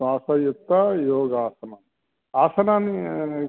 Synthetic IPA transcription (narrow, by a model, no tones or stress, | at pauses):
aːsɐjut̪ːajoːɡaːsɐnan | aːsɐnaːni